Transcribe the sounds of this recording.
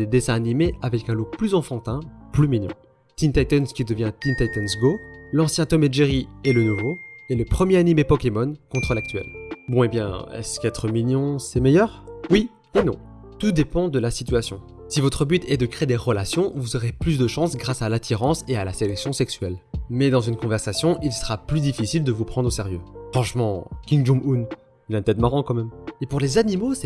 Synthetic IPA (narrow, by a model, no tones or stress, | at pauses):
d̪ed̪esɛ̃animeavɛkɛ̃loplyzɑ̃fɑ̃t̪ɛ̃plyminjɔ̰̃ | t̪int̪ajt̪ɔnskʲid̪əvjɛ̃t̪int̪ajt̪ɔnsɡolɑ̃sjɛ̃t̪ɔmɛʒeʁielənuvoɛləpχəmjeanimepɔkʲemɔnkɔ̃t̪χəlak̚t̪ɥɛ̰lbɔ̃ebjɛ̰̃ɛ̰skɛt̪χəminjɔ̃sɛmejœʁwi | enɔ̰̃ | t̪ud̪epɑ̃d̪əlasit̪ɥasjɔ̰̃ | sivɔt̪χəbyt̪ʰɛd̪əkχeed̪eʁəlasjɔ̃vuzɔʁeplys̬d̪əʃɑ̃sɡʁasalat̪ʰiʁɑ̃sealaselɛksjɔ̃sɛksɥɛlmɛd̪ɑ̃zynkɔ̃vɛʁsasjɔ̃ʔilsəʁaplyd̪ifisild̪əvupχɑ̃d̪ʁosɛʁjø̰fχɑ̃ʃmɑ̃kʲĩŋɡʒumun | ilɛ̃t̪ɛt̪maʁɑ̃kɑ̃mɛmepuʁlezanimosɛ